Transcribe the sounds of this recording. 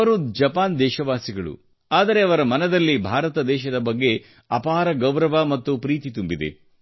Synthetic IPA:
ɐɾud͡ʒɐpaːnd̪ɛːʃɐʋaːsiɡɐɭṵ | aːd̪ɐɾe̞ɐʋɐɾɐmɐnɐd̪ɐlːibʱaːɾɐt̪ɐd̪ɛːʃɐd̪ɐbɐɡːe̞ | ɐpaːɾɐɡɐwɾɐʋamɐt̪ːupɾiːt̪it̪umbid̪ḛ

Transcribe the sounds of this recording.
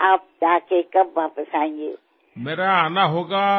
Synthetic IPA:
aːp̚d͡ʒaːkekɐbʋaːpəsaːẽŋɡḛː | meːɾaaːnaɦoːɡaː

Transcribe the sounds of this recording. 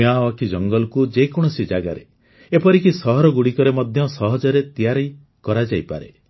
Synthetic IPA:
awakʰid͡ʒɔŋɡɔlɔkud͡ʒejkɔɽ̃ɔsid͡ʒaɡa̰ɾe | epɔɾikisɔɦɔɾɔɡuɽikɔɾemɔd̪ʱjɔsɔɦɔd͡ʒɔɾet̪ijaɾɔj | kɔɾad͡ʒajpa̰ɾe

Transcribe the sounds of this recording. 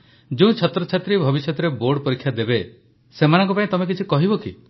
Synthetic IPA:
d͡ʒuũt͡ʃʰɔt̪ɾɔt͡ʃʰat̪ɾibʱɔbisjɔt̪ɔɾeboɾɖpɔɾikʰːjad̪ebe | semanɔ̃ŋkɔpãĩt̪ɔmek̬it͡ʃʰikɔɦibɔkḭ

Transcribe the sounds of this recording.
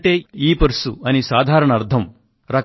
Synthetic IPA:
ʈeːiːpɐɾsuɐnisaːd̪ʱaːɾɐɳɐɐɾd̪ʱɐm | ɾɐk

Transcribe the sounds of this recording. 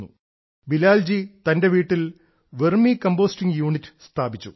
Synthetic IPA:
ṵ | bilaːld͡ʑit̪ɐnde̞ʋiːʈːil | ʋermikɐmbo̞ːstiŋjuːɳitːɨ̥st̪ʰaːbit͡ɕːṵ

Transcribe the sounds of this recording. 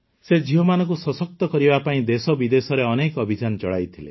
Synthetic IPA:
sed͡ʒiɦɔmanɔk̬usɔsɔk̚t̪ɔkɔɾibapaĩd̪esɔbid̪esɔɾeɔnekɔbʱid͡ʒant͡ʃɔɽa̰jt̪ʰile

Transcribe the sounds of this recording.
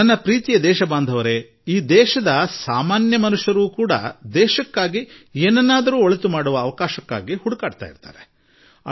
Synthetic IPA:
nɐnːɐpɾiːt̪ijɐd̪ɛːʃɐbaːnd̪ʱɐʋɐɾe̞ | iːd̪ɛːʃɐd̪ɐsaːmaːnjɐmɐnuʂjɐɾuːkuːɽɐ̰d̪ɛːʃɐkːaːɡieːnɐnːaːd̪ɐɾuːoɭɐt̪umaːɽuʋɐːʋɐkaːʃɐkːa̰ːɡihuɽukaːɖt̪a̰ːjḭɾt̪a̰ːɾe

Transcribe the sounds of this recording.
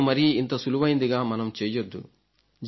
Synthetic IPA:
mɐɾiint̪ɐsuluʋɐjind̪iɡaːmɐnɐmt͡ʃeːjɐd̪ːṵ | d͡ʒ

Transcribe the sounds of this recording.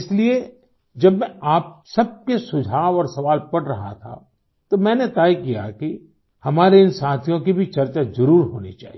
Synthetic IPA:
ɪslie | d͡ʒɐbmɛ̃aːp̚sɐb̚kesʊd͡ʒʱaːʋɔːɾsɐʋaːlpɐɽɾɐɦa̰t̪ʰa̰ | t̪omɛ̃ːnet̪aːikija̰ki | hɐmaːɾeɪnsaːt̪ʰijõkibʱit͡ʃɐɾt͡ʃazɐɾuːɾɦo̰ːnit͡ʃa̰ːɦi

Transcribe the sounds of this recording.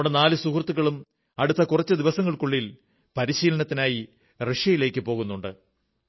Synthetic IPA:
ɽenaːlɨsukrt̪ːuɣɐɭum | ɐɽut̪ːɐkurɐt͡ɕːɨd̪iʋɐsɐŋːɐɭkuɭːil | pɐɾiɕiːlɐnɐt̪ːinaːji | reʂjɐjile̞ːkːɨpo̞ːɣunːuɳɖɨ

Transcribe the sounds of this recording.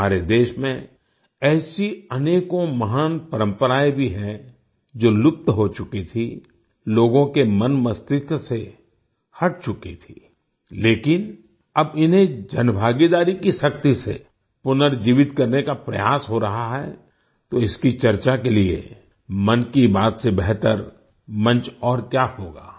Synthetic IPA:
aːɾed̪eːʃmẽ | ɛːsiɐneːkõmɐɦaːnpəɾə̃mpəɾaːebʱiɦɛ̃ | d͡ʒoːlʊp̚t̪ɦot͡ʃʊkit̪ʰi | loːɡõkemɐnmɐst̪ɪk̪se | hɐʈ̚t͡ʃʊkit̪ʰiː | leːkɪn | ɐbɪnɦẽd͡ʒɐnbʱaːɡid̪aːɾikiʃɐk̚t̪isḛ | pʊnəɾd͡ʒiːʋɪt̪kɐɾnekapɾɐjaːsɦoɾɐɦaɦɛ | t̪oɪskit͡ʃɐɾt͡ʃakeliḛ | mɐnkibaːt̪sebɛɦt̪əɾ | mɐ̃nt͡ʃɔːɾkjahoːɡa̰ː

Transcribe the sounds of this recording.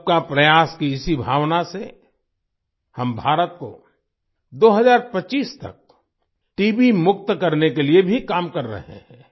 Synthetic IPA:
p̚kapɾɐjaːskiɪsibʱa̰ːʋnase | hɐmbʱaːɾət̪̚ko̰ | d̪oːɦɐzaːɾpɐt͡ʃiːst̪ɐ̰k̚ | ʈiːbimʊk̚t̪kɐɾnekeliebʱikaːmkɐɾːɐ̰ɦḛɦɛ̃ː

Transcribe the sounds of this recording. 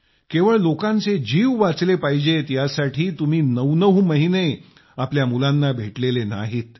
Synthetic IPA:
keʋəɭlokãnt͡sed͡ʑiːʋʋat͡slepaɦid͡ʑet̪jasaʈʰiːt̪um̤iːnəʋnəʋməɦine | apljamulanːabʱeʈlelena̰ɦiːt̪̚

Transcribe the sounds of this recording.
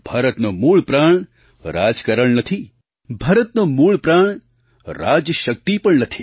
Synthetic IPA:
b̥ʱaːɾət̪nomuːɭpɾaːɳ̃ | ɾa̰d͡ʒkəɾəɭnət̪ʰi | bʱaːɾət̪nomuːɭpɾaːɳ̃ | ɾaːd͡ʒjəʃək̚t̪ipəɳnət̪ʰi̥

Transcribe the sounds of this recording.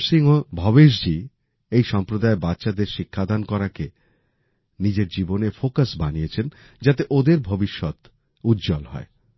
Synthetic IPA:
siŋobʱɔβeʃ̬d͡ʑi | ejʃɔmpɾod̪aebatːʃad̪eɾʃikʰːad̪ankɔɾake | nid͡ʑeɾd͡ʑibonefokasbanijet͡ɕʰen | d͡ʑat̪eʔod̪eɾbʱobiʃːɔt̪ | ut̪ːd͡ʑɔlɦɔ̰e

